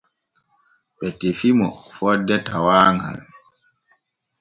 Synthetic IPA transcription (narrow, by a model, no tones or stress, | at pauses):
ɓɛtifimɔfɔdːɛtawaːŋɡa̰l